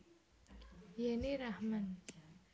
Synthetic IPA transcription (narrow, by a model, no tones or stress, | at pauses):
janiɾahman